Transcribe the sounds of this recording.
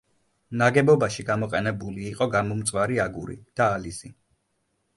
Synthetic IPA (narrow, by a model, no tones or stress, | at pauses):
naɡɛbɔbaʃiɡamɔqʼɛnɛbuliːqʼɔɡamɔmt̪sʼwaɾiaɡuɾḭd̪̥aːlizi